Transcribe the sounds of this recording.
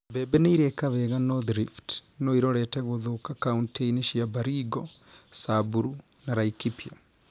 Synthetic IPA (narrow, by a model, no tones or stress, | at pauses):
bɛbɛneiɾekaβɛɣanɔðɾiftnoiɾɔɾɛtɛɣoðokakaunteiniʃiabaɾiɡɔsabuɾu | naɾaikipja